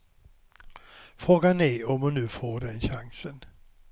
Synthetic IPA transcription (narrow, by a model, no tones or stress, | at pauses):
fɾoːɡanæɾɔmʊnːʉ̟ːfoːɖɛnɕaŋsən